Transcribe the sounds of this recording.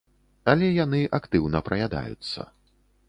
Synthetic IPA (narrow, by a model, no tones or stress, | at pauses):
alʲɛjanɨʔakt̪ɨwnɐpɾɐjʲad̪a̰jṵt̪sːɐ̰